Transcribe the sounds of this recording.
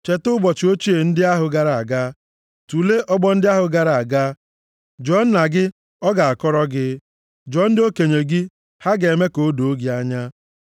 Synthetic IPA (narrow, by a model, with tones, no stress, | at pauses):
t͡ʃe˨tʊ˦bɔ˨t͡ʃɪ˨o˦t͡ʃi˦e˨n̩˦dɪ˦a˦ɦʊ˨ɡa˦ɾa˦˨a˨ɡa˦ | tu˨le˦ʔɔ˦ɡ͡bɔ˦n̩˦dɪ˦a˦ɦʊ˨ɡa˦ɾa˨a˨ɡa˦ | d͡ʒɔ˦n̩˦na˨ɡɪ˦ | ɔ˦ɡa˨a˨kɔ˦ɾɔ˦ɡɪ˦ | d͡ʒɔ˦n̩˦dɪ˦o˦ke˨ɲe˨ɡi˦ | ha˦ɡe˨me˦ko˨˦do˨o˦ɡi˨a˦ɲa˦